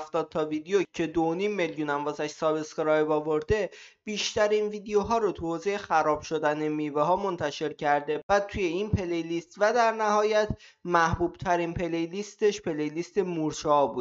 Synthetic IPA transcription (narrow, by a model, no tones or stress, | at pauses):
ft̪ɒːd̪̚t̪ʰɒviːd̪ejocʰe̞d̪onimːe̞ljuːnæmbɒːzæʃsɒːbeskɾɒjbɒːvo̞ɾd̪e̞b̥iːʃt̪æɾinviːd̪ejoɦɒːɾot̪ʰuhoːze̞jexæɾɒːb̥ʃo̞d̪æne̞miːveɦɒːmo̞nt̪ʰæʃe̞ɾcʰæɾd̪e̞bæt̪ʰuje̞inpʰe̞lejlist̪væd̪æɾnæɦɒːjæt̪ʰ | mæhbuːb̥̚t̪ʰæɾiːnpʰe̞lejlist̪e̞ʃpe̞lejlist̪e̞muɾt͡ʃɒbuːd̪̥